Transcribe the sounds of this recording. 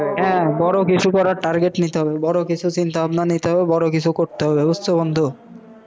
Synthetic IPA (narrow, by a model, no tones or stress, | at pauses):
ɦɛ̃bɔɾokit͡ɕʰukɔɾaɾʈaɾɡeʈnit̪eɦɔbebɔɾokit͡ɕʰut͡ɕint̪aabnanit̪eɦɔbebɔɾokit͡ɕʰukoɾt̪eɦɔbebost̪ʰabond̪ʱo